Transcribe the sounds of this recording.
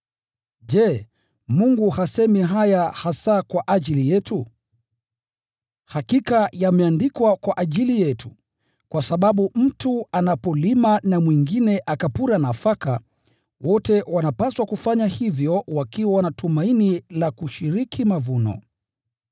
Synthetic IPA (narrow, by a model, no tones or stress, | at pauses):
ʄɛ | muŋɡuhasɛmiɦajahasakwaʔaʄilijɛtu | hakikajamɛandikwakwaʔaʄilijɛtu | kwasaɓaɓum̩tuanapɔlimanamwiŋɡinɛʔakapuɾanafaka̰ | wɔtɛwanapaswakufaɲahivjɔwakiwawanatumainilakuʃiɾikʰimavunɔ̰